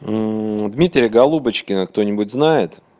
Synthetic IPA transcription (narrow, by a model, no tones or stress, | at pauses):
d̪mʲit̪ʲɾʲɪjəɡɐlˠubət͡ɕkʲɪnəkt̪o̞nʲɪbʊt̚ʲznajɪt̪